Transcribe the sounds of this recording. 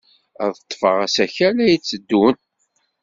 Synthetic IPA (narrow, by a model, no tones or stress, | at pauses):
æ̰ðθət̪ˤːfəʁæsæçælæjit͡sːəd̪ːunt̪